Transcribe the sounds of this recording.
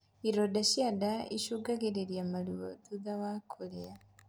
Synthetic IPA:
iɾodaʃiadaḭʃuɡaɣeɾeɾiamaluwo̰duðawakʰolea

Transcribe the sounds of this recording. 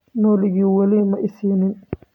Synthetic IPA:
nɔːlɪɡiːwɐliːmɐʔɪsiːnɪn

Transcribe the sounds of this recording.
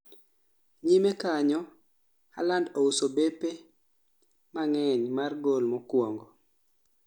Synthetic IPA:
ɲimekaɲɔ | ha̰landousobepe | maŋɛɲmarɡolmɔkwɔŋɡo

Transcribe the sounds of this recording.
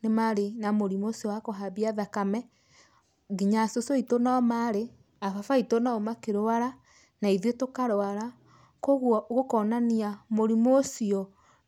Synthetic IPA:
nemaɾenamoɾimosiɔwakoɦabiaðakamɛ | ɡiɲasosoitonaɔmaɾe | afafaitonaomakeɾoaɾa | naiðiotokaɾoaɾa | koɣwɔɣokɔnaniamoɾimosiɔ

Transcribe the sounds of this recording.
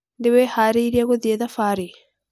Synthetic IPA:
ndewɛhaːɾeiɾiaɣoðieðafaɾe

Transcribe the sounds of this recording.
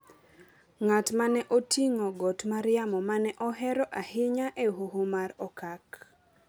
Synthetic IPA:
ŋatmanɛʔotʰiŋɔɡɔtmaɾjamɔmanɛʔɔɦɛɾɔʔahɪɲaʔeɦuhumaɾɔkak

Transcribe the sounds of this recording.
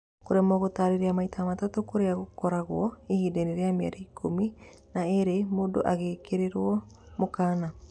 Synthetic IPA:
koɾeamɔɣotaːɾeɾeamaitʰamatatokoɾeaɣokɔɾaɣwɔihideneɾeamea̰ɾaikʰomi | naeɾemoːdo̰ʔaɣeːkeɾeɾwɔ | mokaːna

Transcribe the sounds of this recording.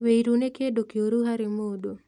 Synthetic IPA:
weiɾunekedokioɾuɦaɾemodo

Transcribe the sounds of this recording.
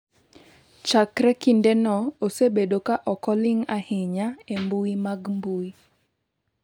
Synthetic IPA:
t͡ʃakɾɛkindenɔosebedokaʔɔkɔlɪŋahɪɲaembuimaɡmbui

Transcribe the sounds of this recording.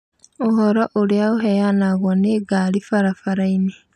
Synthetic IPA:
ohoɾoʔuliauɦejanaɣwaneɡalifaɾafaɾaini

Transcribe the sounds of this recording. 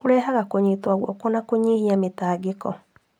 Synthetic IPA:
oɾɛːɦaɣakoɲetwaɣwɔ̰konakoɲihiametaːɡekɔ̰

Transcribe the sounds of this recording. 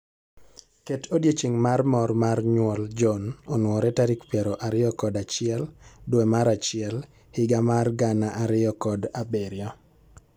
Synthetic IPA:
ketʰodjet͡ʃiŋmarmɔrmarɲwɔld͡ʒɔnonwɔɾɛtaɾikpjɛɾɔʔaɾɪɔkɔdat͡ʃɪɛldwemaɾat͡ʃɪɛl | hɪɡamarɡanaʔaɾɪjɔkɔdabeɾjɔ

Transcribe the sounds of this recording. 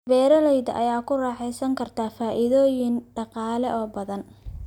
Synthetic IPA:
bɛːɾɐlɛjðɐʔɐ̰jaːkʰʊrɑːħɛjsɐŋkʰɐrt̪ʰaːfaːʔɪðɔːjɪnɖɑqɑːlɛʔɔːbɐðɐn

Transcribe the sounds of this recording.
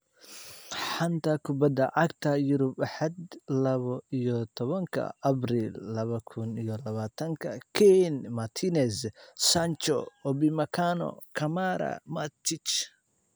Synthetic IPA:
ħant̪ʰɐkʰʊbɐd̪ɐʕɑɡt̪ʰɐjʊɾʊbaħɑd̪lɐβɐijɔt̪ʰɔβɐŋkʰɐ̰ɐbrilːɐβɐkʰʊnijɔlɐβaːt̪ʰɐŋkʰɐkʰɛnmɐt̪ʰinɛssant͡ʃɔ̰ɔbimɐkʰanɔ̰kʰɐmaɾɐ̰mɐt̪ʰit͡ʃ

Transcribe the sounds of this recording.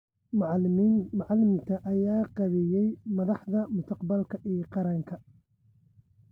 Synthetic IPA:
mɑʕɑlɪmɪnt̪ʰɐʔɐjaːqɑβɛjɛjmɐðɑħðɐmʊst̪ʰɑqbɐlkʰɐʔiːqɑɾɐŋkʰɐ

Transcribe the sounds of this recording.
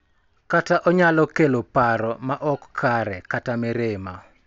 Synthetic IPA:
kataʔɔɲalɔkelopaɾɔmaʔɔkʰːaɾɛkatamɛɾema

